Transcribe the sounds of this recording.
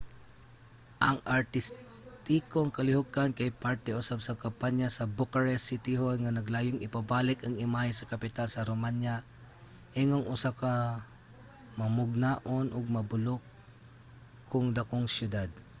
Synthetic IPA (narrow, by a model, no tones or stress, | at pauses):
ʔɐŋaɹt̪ɪs | t̪ikoŋkɐlɪhokankɐjpaɹt̪ɛʊsab̚sakɐmpaɲjasɐbokaɹɛsːit̪ɪɦonŋanɐɡlaːjʊŋɪpabaːlɪkɐŋɪmahajsɐkɐpɪt̪alsɐɾomanja | ʔɛŋoŋʔʊsaka | mɐmʊɡ̚naʔonʔʊɡ̚mɐbʊlok | ʊŋd̪akoŋsjʊd̪ad̪̚